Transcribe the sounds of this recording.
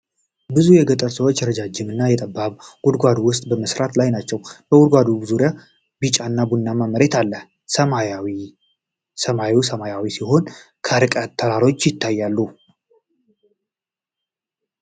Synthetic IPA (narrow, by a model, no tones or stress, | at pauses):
bɨzujɛɡət̪ʼəɾsəwot͡ʃːjɛɾəd͡ʒad͡ʒɪmɨnːajɛt̪ʼəbaβɡ̥ud̪ɡʷad̪uwʊst̪ʼbəməsɾat̪lajnat͡ʃːɛwb̥əwʊd̪ɡʷad̪ubɨzuɾja | bit͡ʃʼanːabunːamamːəɾet̪ʰalːəh | səmawi | səmausəmajawisiho̞n | kʰəɾɨkʼət̪ʰːəɾaɾo̞t͡ʃːjɪt̪ʰːajːalːu